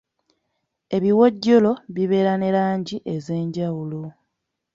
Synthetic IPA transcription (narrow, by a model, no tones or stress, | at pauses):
e̞βiwoɟːolo̞βiβe̞ːɾane̞ɾaːɲɟiʔe̞ze̞ːɲɟawulo